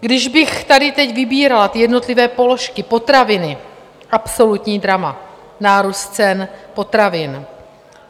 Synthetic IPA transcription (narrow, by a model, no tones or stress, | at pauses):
ɡdɪʒbɪxt̪adɪt̪ɛɟvɪbiːɾalat̪ɪjɛdno̞t̪lɪvɛːpo̞lo̞ʃkɪpo̞t̪ɾavɪnɪ | ʔapso̞lut̪ɲiːd̪ɾama | naːɾust̪t͡sɛnpo̞t̪ɾavɪn